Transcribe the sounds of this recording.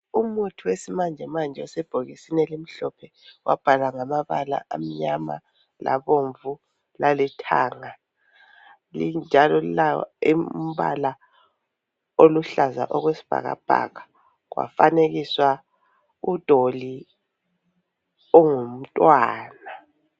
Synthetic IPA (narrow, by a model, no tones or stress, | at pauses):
umutʰuwesimand͡ʒʱɛmand͡ʒʱɛɔsɛb̥ʱoɣisinɛlim̩ɬɔpʰɛ | wa̰b̥ʱalaŋamaβala̰ʔa̰m̩ɲama̰ | la̰βoɱvu | lalɛtʰa̰ːŋa | lind͡ʒʱalɔlaim̩βa̰la | oluɬazaʔɔɣwesi̥b̥ʱa̰ɣa̰b̥ʱa̰ɣa | ɣwa̰faneɣiswa | ud̥ʱoli | ɔŋum̩tʼwaːna